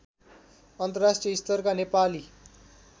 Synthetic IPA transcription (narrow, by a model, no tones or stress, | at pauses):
ʌnt̪ʌrasʈrijʌist̪ʌrkanepali